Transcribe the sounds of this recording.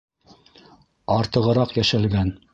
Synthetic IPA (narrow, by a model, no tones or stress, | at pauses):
ɑɾt̪ɤ̆ʁɤ̆ɾɑqjæʃælɡæn